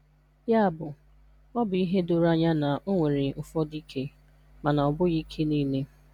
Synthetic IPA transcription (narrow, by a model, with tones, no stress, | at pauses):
ja˦a˨bʊ˨ | ɔ˦bʊ˨i˦ɦe˦dʊ˨ɾa˦ɲa˦na˨ʔo˦ŋʷe˨ɾe˨ʊ˨fɔ˦di˦kʰe˦ | ma˨na˨ɔ˨bʊ˦ɣi˦kʰe˦niː˦le˦